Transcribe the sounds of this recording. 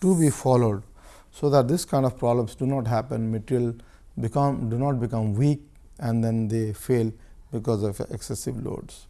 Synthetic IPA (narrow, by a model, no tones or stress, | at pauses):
ʈubiːfɔloːɖ | soːd̪æʈ̚d̪ɪskãɪ̃ɳnɖɔʋpɾɔːblə̃msɖunɔːʈɦæpə̃nmɪʈɪl | bɪkʌ̃mɖunɔːʈ̚bɪkʌ̃mwiːk | ɛ̃ɳd̪ɛ̃nd̪eːfeːlbɪkɔːzɔʋḛksesɪʋlo̰ːɖs